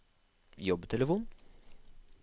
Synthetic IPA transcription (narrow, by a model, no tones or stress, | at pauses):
jɔbt̪ʰɛləfuːn